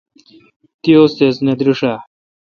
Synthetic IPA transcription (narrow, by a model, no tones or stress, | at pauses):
t̪ijoːst̪esnɐd̪ɾuʂa